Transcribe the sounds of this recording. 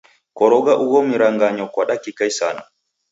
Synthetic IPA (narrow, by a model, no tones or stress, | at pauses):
kɔɾɔɡaʔuɡomiɾaŋɡaɲɔkwaɗakikajsa̰na̰